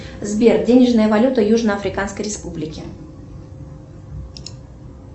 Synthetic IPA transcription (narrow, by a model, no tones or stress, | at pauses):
zbʲerdʲenʲɪʐnəjəvɐlʲut̪əjuʐnəɐfɾʲɪkanskəjɾʲɪspublʲɪkʲɪ